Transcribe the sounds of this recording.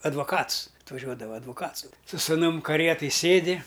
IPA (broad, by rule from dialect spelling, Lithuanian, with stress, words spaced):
ɐdʋɐˈkɐts ɐtʋɐˈʒʲuɔdɐʋɐ ɐdʋʊˈkɐts sʊ sʊ sʊˈnʊm kɐˈrʲiɛtɐj ˈsʲeːdʲɪ